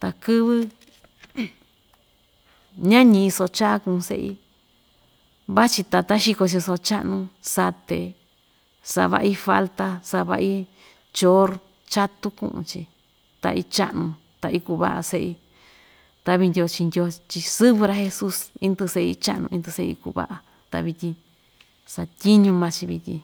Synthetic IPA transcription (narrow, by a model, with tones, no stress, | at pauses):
t̪a˧kɨ˦βɨ˦ | ɲã˦ɲĩ˧i˧so˧t͡ʃa˦kũ˧sḛ˦ʔḭ˧ | βa˦t͡ʃi˧t̪a˧t̪a˦ʃi˧ko˧t͡ʃi˧so˧t͡ʃa˦ʔnũ˧sa˧t̪ḛ˨ | sa̰˧βa̰˧ʔi˦fa˦lt̪a˧sa˧βa̰˧ʔi˦ | t͡ʃo˦ɾ | t͡ʃa˦t̪u˦kṵ̃˧ʔṵ̃˧t͡ʃḭ˧ | t̪a̰˧ʔi˧t͡ʃa˦ʔnũ˧ | t̪a˧ʔi˧ku˧βa̰˦ʔa̰˧se˧ʔi˧ | t̪a˧βi˧nd̪ʲo˧t͡ʃi˧nd̪ʲo˧t͡ʃi˧sɨ˦βɨ˧ɾa˧he˧su˦si˦nd̪ɨ˧se˧ḭ˧t͡ʃa̰˦ʔnṵ̃˧ĩ˧nd̪ɨ˧se˦˧ḭ˧kṵ˧βa̰˦ʔa˧ | t̪a̰˧βi˧t̪ʲĩ˧ | sa˧t̪ʲi˦ɲũ˧mã˧t͡ʃi˧βi˧t̪ʲḭ̃˧